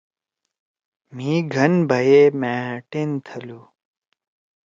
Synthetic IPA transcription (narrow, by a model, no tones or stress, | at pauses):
m̤ĩɡʱɐnbʱɐjeːmɛ̃ːʈent̪ʰɐlu